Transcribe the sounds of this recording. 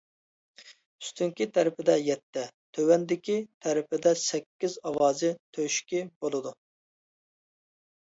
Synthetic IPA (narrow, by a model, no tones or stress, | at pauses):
y̥st̪yŋkʲit̪ʰɛɾɪpɪd̪ɛjɛt̪ʰːɛt̪ʰøwɛnd̪ɪkʲit̪ʰɛɾɪpɪd̪ɛsɛkʲːizɑwɑːzɪt̪ʰøʃkʲibolˠɨd̪u